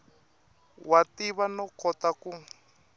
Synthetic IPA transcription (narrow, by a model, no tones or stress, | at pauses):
watiβanɔkɔtaku